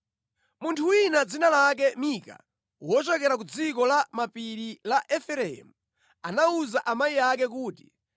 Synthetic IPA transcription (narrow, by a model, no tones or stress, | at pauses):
muntʰuwinad͡zinalak̬ɛmika̰ | wɔt͡ʃɛkɛɾak̬ud͡zikɔlamapiɾilaʔɛfɛɾɛɛmu | anauzaʔamaiak̬ɛk̬uːti̥